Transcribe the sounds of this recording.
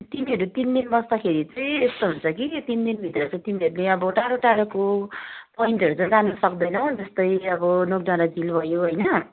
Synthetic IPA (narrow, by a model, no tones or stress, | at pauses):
t̪imiɦʌɾut̪ind̪inbʌsd̪akʰeɾit͡sʌjest̪oɦunt͡sʰʌkit̪ind̪inbʱit̪rʌt͡sʌ̃t̪imiɦʌɾuneʌbʌʈaɽoʈaɽokopʌĩnt̪ʌɾut͡sʌ̃j̃d͡zanʌsʌkd̪ʌjnʌd͡zʌst̪ʌjʌbʌnok̚ɖaɾad͡zilbʱʌjoɦʌjnʌ